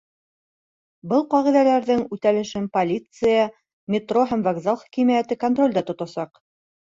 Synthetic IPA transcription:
bɤlˠqɑʁiðælæɾðɘŋʉt̪ælɘ̆ʃɘnpɐlʲit̪sɨjɑ | mʲɪt̪roɦæmvɐɡzalˠχæ̥kimæjæt̪ɘkont̪ro̞lʲd̪ɑt̪ŏt̪ɑsɑq

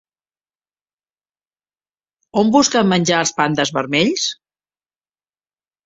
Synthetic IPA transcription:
ombuskəmːənʲd͡ʒaəlˠspand̪əzβəɾmeʎs

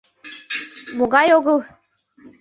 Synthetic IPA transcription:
moɣɑjoɣɤlˠ

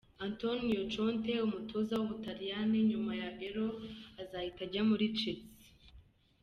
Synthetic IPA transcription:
antonjot͡ʃonte̞umutʰo̞zawuβutaɾijaneɲumajaβeɾoazaːhitaɟamuɾit͡ʃit͡si

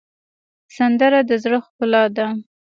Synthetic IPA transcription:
sand̪əɾad̪əzɽəxpəlɑd̪a

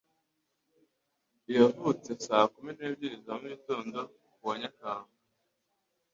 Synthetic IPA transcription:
ijavut͡se̞saːkumineːbɟizamuitoːndo̞ | kuβoɲakaːŋa

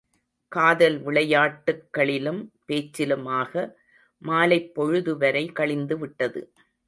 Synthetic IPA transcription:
kaːðɐlʋɪɭɐjaːʈːɯkːɐɭɪlɯmpeːt͡ʃːɪlɯmaːɣɐ | maːlɐɪpːɔɻɯðɯʋɐɾɐɪkɐɭɪnd̪ɯʋɪʈːɐðɯ̰

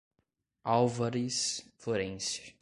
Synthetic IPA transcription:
awvaɾisfloɾẽnsʊ̥

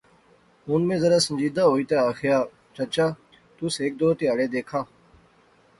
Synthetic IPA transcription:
ɦʊːnmẽːzəɾaːsənd͡ʒiːd̪aːɦoːiːt̪aːaːxjaː | t͡ʃət͡ʃaː | t̪ʊseːk̚d̪oːɾt̪eːəɽeːd̪eːkʰaː

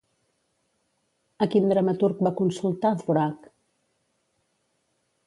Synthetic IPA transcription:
əkind̪ɾəmət̪uɾk̚bakunsulˠt̪aðβuɾak

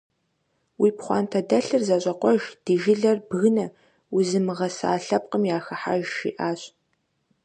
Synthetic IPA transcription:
wiːpχʷɑ̰ːntʰɐdɐɬɨrzɐɕʼɐqʷɔʒd̥iːʒɪɮɐrbɣɨnɐ | wʊzɨmɨʁɐsa̰ːɬɐp̚qəmjaːxɐħa̰ʒʃḭːʔaːɕ

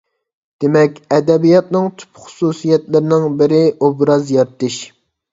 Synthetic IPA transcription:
d̪̥emɛkʲɛd̪ɛbijɑt̪̚nɪŋt̪ʰy̥pχʊ̥susijɛt̪lɪɾɪnɪŋbɪɾɪobɾɑzjɑɾt̪ɪʃ

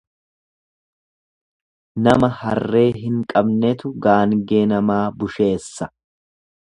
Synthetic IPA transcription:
nɐmɐhɐrrːe̞ːɦɪŋkʼɐbnɛt̪ʊɡaːnɡeːnɐmaːbʊʃe̞ːsːɐ

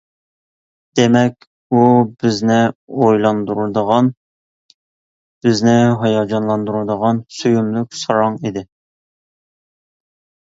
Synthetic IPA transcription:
d̪̥emɛkʲ | ubɪznɪojlˠɑnd̪uɾud̪əʁɑn | b̥ɪznɪɦɑjɑd͡ʒɑnlˠɑnd̪uɾud̪əʁɑnsyjumlˠyk̚ʲsɑɾɑŋid̪ɪ

